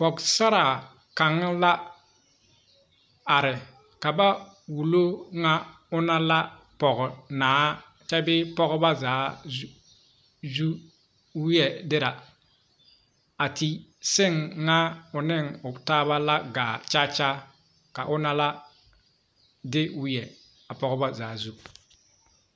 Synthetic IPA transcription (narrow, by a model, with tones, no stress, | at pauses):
pɔ˨ksa˦ɾa˨ | ka˨ŋ˦la˦ | a˨ɾɪ˨ | ka˨ba˦ | wu˨lo˦ŋa˦ | ʊ˦na˦la˦ | pɔ˨ɣnaː˨˦ | t͡ʃa˦bɪ˦pɔ˦ɡba˦zaː˨˦ | zu˦ | wjɛ˨dɪ˦ɾa˨ | a˨ti˦sɪ˦ŋːa˦ʊ˨nɪ˦˨ŋʊ˨taː˦βa˦la˦ɡaː˨t͡ʃa˦t͡ʃa˦ | ka˨ʔʊ˦na˦la˦ | dɪ˦wʊ˦jɛ˨ | a˨pɔ˦ɣɔ˦ba˦zaː˨˦zu˦